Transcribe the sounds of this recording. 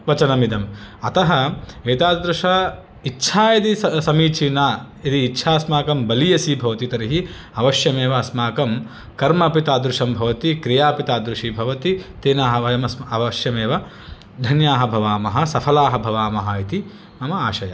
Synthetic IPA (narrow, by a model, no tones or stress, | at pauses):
ʋɐt͡ʃɐnɐmid̪ɐmɐt̪ɐɦɐeːt̪aːd̪ɾuʂɐ | itːʃʰaːjɐt̪isɐmiːt͡ʃʰinaː | it̪iːtːʃʰaːɐsmaːkɐmbɐlijɐsibʱɐʋɐt̪it̪ɐɾiɦi | ɐʋɐʃjɐmeːʋɐːsmaːkɐm | kɐɾmɐpit̪aːd̪ɾuʂɐmbʱɐʋɐt̪ikɾijaːpit̪aːd̪ɾuʂibʱɐʋɐt̪it̪eːnaːɦɐʋɐjɐmɐsɐʋɐʃjɐmeːʋɐ | d̪ʱɐnjaːɦɐbʱɐʋaːmɐɦɐ̆sɐpʰɐlaːɦɐbʱɐʋaːmɐɦɐit̪i | mɐmɐaːʃɐjɐ̰